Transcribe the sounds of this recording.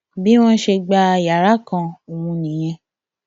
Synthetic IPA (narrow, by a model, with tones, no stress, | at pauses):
bi˦w̃ɔ̃˦ʃe˧ɡ͡ba˧ja˨ɾa˨˦kã˧o˨wũ˧nĩ˨j̃ɛ̃˧